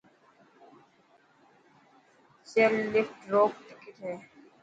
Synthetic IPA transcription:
sellɪfʈɾoːɡʈɪkɪʈɦɛː

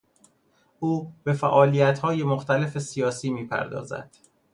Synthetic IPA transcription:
ʔuːbe̞fæʔɒːlijæt̪hɒːje̞moxt̪æle̞fe̞sijɒːsiːmiːpʰæ̰ɾd̪ɒ̰ːzæ̰d̪̥

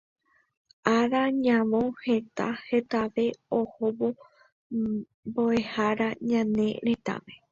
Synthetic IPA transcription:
aɾaɲãʋõhe̞t̪a̰he̞t̪aʋe̞ohoβo | boe̞haɾaɲãnẽ̞ɾe̞t̪a̰ʋe

